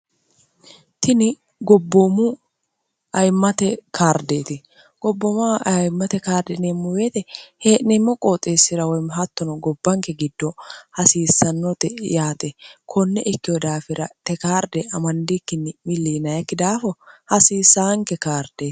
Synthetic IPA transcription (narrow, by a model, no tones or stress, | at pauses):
t̪ʰɪnɪ | ɡɔbːomʊ | ʔɐjmːɐt̪ɛkʰaːɾd̪eːt̪ɪ | ɡ̥ɔbːɔmaɐjmːɐt̪ɛkaːɾd̪ɛnemːɔweːt̪ɛheːʔnemːɔkʼoːt̪ʼːeːsːɪɾɐwɔjmɦɐt̪ːɔnɔɡɔbːɐŋkɛɡɪd̪ːɔhɐsiːsːɐnːɔt̪ɛjaːt̪ɛkʰɔnːɛʔɪkːɪwɔd̪aːfɪɾɐt̪ɛkaːɾd̪ɛʔɐmɐnd̪ɪkːɪnːɪmɪlːiːnɐjɐkːɪd̪aːfɔhɐsiːsːaŋkɛkaːɾd̪̥eː